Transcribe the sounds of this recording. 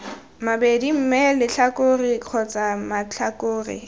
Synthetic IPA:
mabedim̩mɛlɪt͡ɬʰakʊrɪq͡χʰɔt͡sʼamat͡ɬakʊːrɪ̰

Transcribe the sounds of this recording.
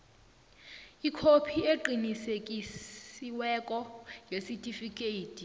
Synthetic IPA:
ikʰopʰieǃinisekʼisiwɛkʼɔjesitʼifikʼeiːtʰʼi

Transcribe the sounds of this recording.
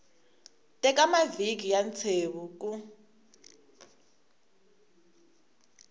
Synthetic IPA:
tʼɛk̬ʼamavik̬ijant͡sʰeːβuk̬ʼu

